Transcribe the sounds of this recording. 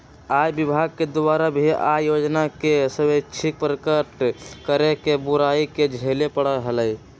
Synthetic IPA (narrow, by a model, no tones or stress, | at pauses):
ajbibʱaɡ̚ked̪obaɾabʱia̰jod͡ʒnakesəbət͡ʃʰik̚pɾəkəʈkəɾekebuɾaiked͡ʒʱelepəɽəɦələj